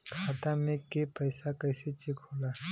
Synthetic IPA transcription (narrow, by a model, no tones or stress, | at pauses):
kʰaːt̪amẽkepɐjsakɐɪset͡ʃɪkʰoːlaː